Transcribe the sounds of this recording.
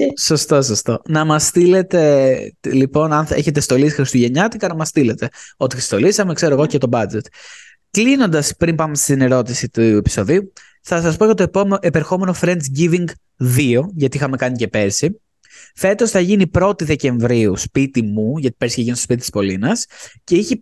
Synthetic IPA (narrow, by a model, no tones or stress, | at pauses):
so̞st̪os̬ɐst̪o̞nɐmɐst̪ile̞t̪e̞lipo̞nɐneçe̞t̪̬est̪o̞lisixɾist̪uʝe̞ɲɐt̪ikɐnɐmɐst̪ile̞t̪e̞o̞t̪ist̪o̞lisɐme̞kse̞ɾoeɣo̞cet̪obɐd͡ʒe̞t̪ | klino̞nd̪ɐspɾimpɐmest̪ine̞ɾo̞t̪isit̪uepi̥so̞ðiu | θɐsɐspocet̪oepeɾxo̞me̞no̞fɾe̞nt̪ɟiviŋɡ | ðio̞ʝɐt̪iixɐme̞kɐnice̞pe̞ɾsi | fe̞t̪o̞sθɐʝinipɾo̞t̪iðe̞ce̞ɱvɾiuspit̪imuʝɐt̪i̥pesiceʝinsospit̪it̪i̥spo̞linɐsce̞içi